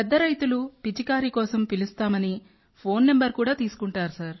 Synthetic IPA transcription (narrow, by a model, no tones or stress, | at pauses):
pɛd̪ːɐɾɐjt̪ulupid͡ʒikaːɾikɔːsɐmpilust̪aːmɐni | pʰo̞ːnːe̞mbɐɾkuːɽaːt̪iːsu̥kuɳʈaːɾusɐɾ